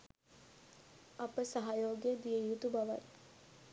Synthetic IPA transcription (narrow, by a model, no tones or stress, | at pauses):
apəsaɦajoːɡed̪ijəjut̪ubaʋa̰t̪